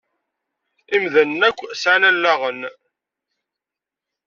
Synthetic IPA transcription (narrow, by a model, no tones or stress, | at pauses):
imðənːækʷːsʕanælːaʁən